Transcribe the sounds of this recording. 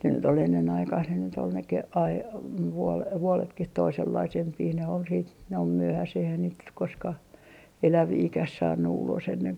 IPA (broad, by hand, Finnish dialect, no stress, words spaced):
ne nyt ol enːen ɑikɑih ne nyt ol ne ke ɑi ʋuol ʋuoletkih toiselːɑisempiː ne ol siːt ne ol myøhæseh eihæn niːt nyk koskɑh elæʋiːkæh sɑːnːu ulos enːeŋ